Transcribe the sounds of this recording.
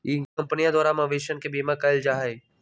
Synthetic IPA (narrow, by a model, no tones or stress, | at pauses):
ikɐ̃mpnijãd̪ʱwaːɾamɐ̃ʋeʃənkebiːmãkaɪld͡ʒaːɦe